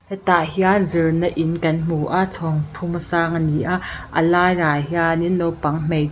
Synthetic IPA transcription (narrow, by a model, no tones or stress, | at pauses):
hɛt̪aʔhiazirnəʔinkɐnm̥uʔaʔt͡sʰɔŋt̪ʰumsaːŋniʔaʔʔə̰laːjrajɦianiʔnɔpɐŋm̥ej